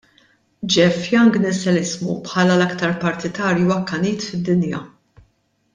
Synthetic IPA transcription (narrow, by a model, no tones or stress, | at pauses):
d͡ʒɛfjɐŋɡnɛsɛlɪzmṵpħɐːlɐlɐkt̪ɐɾpɐɾt̪ɪt̪ɐːɾjiwɐkːɐniːt̪fɪd̪ːɪnjɐ̰